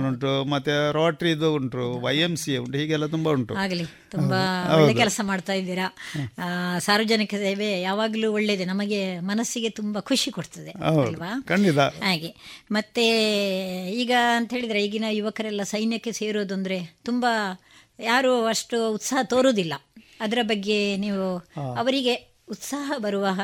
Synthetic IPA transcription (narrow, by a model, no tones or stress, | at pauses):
nuɳʈumɐt̪ːeɾaːʈɾid̪uuɳʈɾuʋɐjemsiuɳʈɦiːɡɛlːɐt̪umbɐuɳʈṵaːɡɐliumbɐɐːed̪kɛlɐsɐmaːɖt̪aːjid̪iːɾɐ | saːɾʋɐd͡ʒɐnikɐseːʋejaːʋaːɡɐluːoɭːed̪enɐmɐɡe̞mɐnɐsːiɡe̞t̪umbɐkʰuʂikoɽt̪ɐd̪e̞ɐwɐlɐʋaːkɐɳɖit̪ahaːɡemɐt̪ːe̞ | iːɡɐɐnt̪ɐɦeːɭid̪ɾeiɡinɐjuʋɐkɐɾɛlːɐsɐjnjɐkːe̞se̞ːɾoːd̪uɐnd̪ɐɾe̞t̪umbɐ | jaːɾuɐʂʈuːt̪saːɦɐt̪o̞ːɾoːd̪ilːɐ | ɐd̪ɐɾɐbɐɡːe̞niːʋuɐʋɐɾiɡe̞ | ut̪saːɦɐbɐɾuʋɐɦɐ